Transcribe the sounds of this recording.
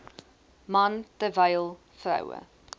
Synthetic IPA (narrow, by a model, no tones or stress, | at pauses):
mɐntəvɐjlˠ | frɐ̰wə̰